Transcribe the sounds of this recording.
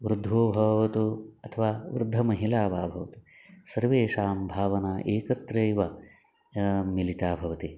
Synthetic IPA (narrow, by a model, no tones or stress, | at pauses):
ʋɾud̪ʱoːbʱɐʋɐt̪uɐt̪ʰɐʋaːʋɾud̪ʱːɐmɐɦilaːʋaːbʱɐʋɐt̪u̥ | sɐɾʋeːʂaːmbʱaːʋɐnaːʔeːkɐt̪ɾɐːjʋɐ | milit̪aːbʱɐʋɐt̪i